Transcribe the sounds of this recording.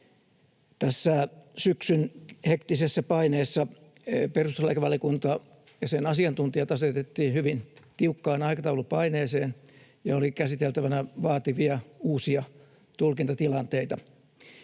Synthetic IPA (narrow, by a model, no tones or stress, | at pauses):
t̪æsːæsyksynhekt̪isesːæpɑineːsːɑ | perust̪uslɑikʋɑliɑkunt̪ɑ | jɑsenɑsiɑnt̪unt̪iɑt̪ɑset̪et̪ːiːnhyʋint̪iukːɑːnɑikɑt̪ɑulupɑineːseːnjɑolikæsit̪elt̪æʋænæʋɑːt̪iʋiɑuːsiɑ | t̪ulkint̪ɑt̪ilɑnt̪eit̪ɑ